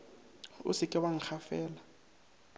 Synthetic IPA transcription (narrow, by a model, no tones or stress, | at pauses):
ʊ̰sɪkʼɪwaŋ̩k͡xʰafɛːla